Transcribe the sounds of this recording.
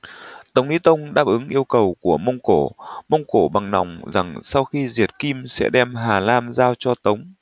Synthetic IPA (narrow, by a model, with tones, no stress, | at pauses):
t̪ə˨˦wŋ͡mʔi˨˦˥t̪ə˧wŋ͡mɗaː˦˥p̚ʔɨ˨˦ŋʔi˧əwkə˨˩wku˧˩əmə˧wŋ͡mko˧˩mə˧wŋ͡mko˧˩ɓa˨˩ŋna̰˨˩wŋ͡mza˨˩ŋsa˧wxi˧zi˨˩ət̚ki˧msɛ̰˧˥ɗɛ˧mɦaː˨˩laː˧mzaː˧wt͡ɕɔ˧t̪ə˨˦wŋ͡m